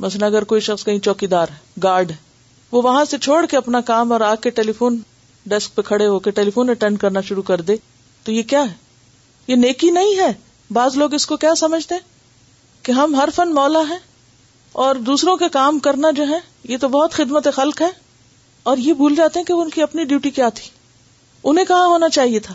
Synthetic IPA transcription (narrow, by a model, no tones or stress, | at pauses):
mɐsnɐɡəɾkoːiʃɐxskɐɦĩt͡ʃɔːkid̪aːɾɡaːɾɖɦɛ | ʋoʋɐɦãset͡ʃʰoːɽkeɐpnakaːmɔːɾaːkeʈeːlifoːn | ɖɛsk̚pekʰɐɽeɦoːkeʈeːlifoːneʈɛ̃ːɳɖ̚kɐɾnaʃʊɾukɐɾd̪eː | t̪ojekjaːɦɛ | jeneːkinɐɦĩɦɛː | baːzloːɡɪskokjaːsɐməd͡ʒʱt̪eɦɛ̃ | keɦɐmɦɐɾfɐnmɔːlaɦɛ̃ː | ɔːɾd̪uːsɾõkekaːmkɐɾnad͡ʒoːɦɛ̃ | jet̪obɔɦʊt̪xɪd̪mət̪exɐlkɦɛː | ɔːɾjebʱuːld͡ʒaːt̪eɦɛ̃keʋoʊnkiɐpniɖjuːʈikjaːt̪ʰi̥ː | ʊnɦẽkɐɦãɦoːnat͡ʃaːɦiet̪ʰaː